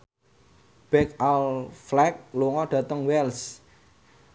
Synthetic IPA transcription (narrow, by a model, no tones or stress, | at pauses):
b̥ɛk̚alflɛk̚loŋɔɖ̥ä̤t̪əŋwɛls